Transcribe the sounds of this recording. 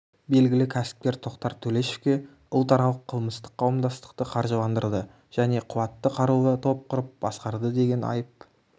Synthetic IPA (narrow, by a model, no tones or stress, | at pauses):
be̞lɡʲɪlɪkʲʰæsɪ̥p̚kʲe̞ɾt̪ʰo̞qt̪ɑɾt̪ʰɵle̞ʃe̥fkʲe̞ | ʊlˠt̪ɑɾɑlˠəqʰəlˠməst̪ə̥qqʰːɑwəmd̪ɑst̪ə̥qt̪əqʰɑɾʒəlˠɑnd̪əɾd̪ə | ʒ̥æne̞qʰʊwɑt̪ːəqʰɑɾuət̪ʰo̞p̚qʰʊɾəp̚b̥ɑsqɑɾd̪əd̪e̞ɡʲe̞nɑ̰jəp̚